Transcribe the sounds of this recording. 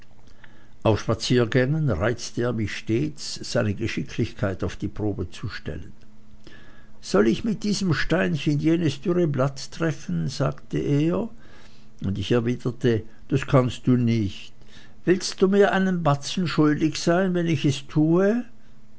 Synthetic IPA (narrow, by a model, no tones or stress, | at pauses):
ʔaʊfʃpat͡siːɐɡɛŋənʁaɪt͡stəeːɐmɪçʃteːt͡sz̥aɪnəɡəʃɪkʰlɪçkʰaɪtaʊfd̥iːpʁ̥oːbət͡suʃtɛ̰lən | z̥ɔlɪçmɪt̚d̥iːzəmʃtaɪnçɪnjeːnəsd̥ʏʁəblattʁ̥ɛfn̩za̰ːktə̰ʔeːɐ | ʊndɪçɛɐviːdɐtə | d̥askʰanst̚d̥uːnɪçt | v̥ɪlst̚d̥uːmiːɐʔaɪnənbat͡sn̩ʃʊldɪçz̥aɪnvɛnɪçɛstʰuːə